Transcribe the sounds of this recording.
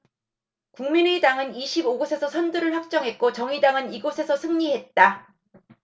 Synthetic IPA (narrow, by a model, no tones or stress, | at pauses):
kuŋminedaŋɯniɕʰiboɡosʰe̞sʰʌsʰʌnduɾɯɭɸwak̚t͡ɕ͈ʌŋɦe̞t̚k͈ot͡ɕʌŋidaŋɯniɡosʰe̞sʰʌsʰɯŋɲiɦe̞t̚t͈a